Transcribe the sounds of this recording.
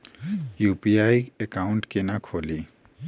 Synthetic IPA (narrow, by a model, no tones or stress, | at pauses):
jupiajekauɳʈkenakʰoli